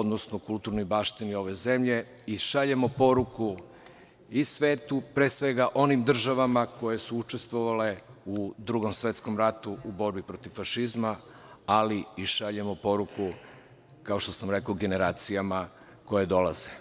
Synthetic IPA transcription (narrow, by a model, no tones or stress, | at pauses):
od̪nosnokulˠt̪uɾnojbaːʃt̪inio̞ʋe̞ze̞mʎe̞ | iʃaʎe̞mo̞po̞ɾuku | isʋeːt̪upɾeːsʋe̞ɡaʔo̞nimd̪r̩ʒaʋamako̞je̞suut͡ʃest̪ʋo̞ʋale̞ud̪ɾuɡo̞msʋe̞t̪sko̞mɾat̪uubo̞ɾbipɾo̞t̪ivfaʃizma | aliiʃaʎe̞mo̞po̞ɾuku | kao̞ʃt̪o̞samɾe̞kaoɡe̞ne̞ɾaːt̪sijama | ko̞jed̪o̞lˠaze